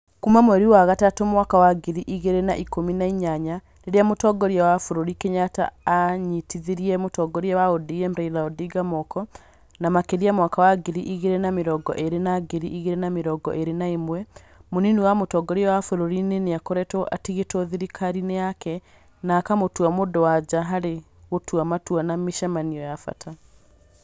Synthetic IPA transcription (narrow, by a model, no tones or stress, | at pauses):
kumamoɛɾiwaɣatatomwakawaɡeɾiʔiɣeɾenaʔikominaiɲaɲa | neɾeamotɔːɡɔɾiawafoɾoɾikeɲata̰ːɲitiðiɾiɛmotɔːɡɔɾiawaodiɛmɾailaɔdiɡamɔkɔ | namakeɾiamwakawaɡeɾiʔiɣeɾenameɾɔːɡɔ̰ʔeɾenaɡeɾiʔiɣeɾenameɾɔɡɔ̰ʔeɾenaimwɛ | moniniwamotɔːɡɔɾiawafoɾoɾineneakɔɾɛtɔʔatiɣetɔðiɾikʰaɾineakɛ | nakamotuamodowad͡ʑaɦaɾe | ɣotuamatuanamiʃamaniɔjafa̰tʰa